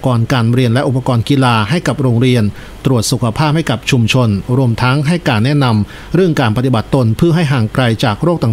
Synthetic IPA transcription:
kɔː˧nkaː˧nɾi˧ənlɛ˦˥ʔu˨˩pːa˧kɔː˧nki˧laː˧ɦa˥˩jka˨˩p̚ɾoː˧ŋɾi˧ən | t̪ɾu˨˩ət̪̚su˨˩kʰa˧pʰaː˥˩p̚ha˥˩jka˨˩p̚t͡ɕʰu˧mt͡ɕʰo˧nɾu˧əmt̪ʰa˦˥ŋɦa˥˩jkaː˧nːɛ˦˥na˧m | ɾɯ˥˩əŋkaː˧npa˧t̪i˨˩ba˨˩t̪ːo˧npʰɯ˥˩əɦa˥˩jɦaː˨˩ŋkɾa˧jt͡ɕaː˨˩k̚ɾoː˥˩k̚t̪a˨˩

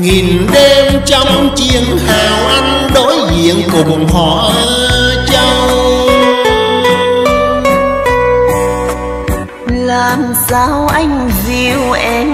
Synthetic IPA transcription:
ŋi˨˩nɗe˧mt͡ɕɔ˧wŋ͡mt͡ɕi˧˩əŋhaː˨˩wʔa˧jŋ̟ɗo˨˦jzḭ˧˨əŋkʊ˨˩ŋ͡mŋ͡mɦɔ̰˧˩˨ | t͡ɕə˧w | laː˨˩m | sa˧wʔa˧jŋ̟vi˧˩wʔɛ˧m

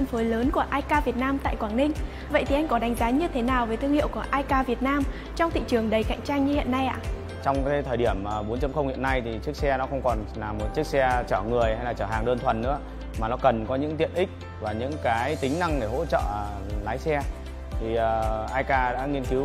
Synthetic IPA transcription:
ə˧nfəː˨˦jləː˨˦nku˧˩əʔaː˧jkaː˧vi˨˩ət̚naː˧mt̪a̰ː˧˨jkwaː˧˩nnï˧ŋ̟ | və̰˧˨jt̪ʰi˩ʔa˧jŋ̟kɔ˨˦ɗa˨˦jŋ̟zaː˨˦ɲɨ˧t̪ʰe˨˦naː˨˩wvəː˨˦jt̪ʰɨ˧əŋhḭ˧˨wku˧˩əʔaː˧jkaː˧vi˨˩ət̚naː˧m | t͡ɕɔ˧wŋ͡mt̪ʰḭ˧˨t͡ɕɨ˨˩əŋɗə˨˩jka̰˧˨jŋ̟t͡ɕaː˧ŋɲɨ˧hḭ˧˨ənːa˧jʔa̰ː˧˨ | t͡ɕɔ˧wŋ͡mka˨˦jt̪ʰəː˨˩jɗi˧˩əmː˨˩ɓo˨˦nt͡ɕə˧mxə˧wŋ͡mhḭ˧˨ənːa˧jt̪ʰi˨˩t͡ɕɨ˦˥ək̚sɛ˧nɔ˨˦xə˧wŋ͡mkɔ˨˩nlaː˨˩mːo˨˩t̚t͡ɕɨ˦˥ək̚sɛ˧t͡ɕəː˧˩ŋɨ˨˩əjha˧jlaː˨˩t͡ɕəː˧˩ɦaː˨˩ŋɗəː˧nt̪ʰwə˨˩nːɨ̰˧˥ə | maː˨˩nɔ˨˦kə˨˩nkɔ˨˦ɲɨ̰˧˥ŋt̪ḭ˧˨ənʔï˦˥k̚ | vaː˨˩ɲɨ̰˧˥ŋkaː˨˦jt̪ï˨˦ŋ̟na˧ŋɗe˧˩ɦo̰˧˥t͡ɕə̰ː˧˨ | laː˨˦jsɛ˧ | t̪ʰi˨˩əː˨˩ʔaː˧jkaː˧ɗa̰ː˧˥ŋi˧ənki˨˦

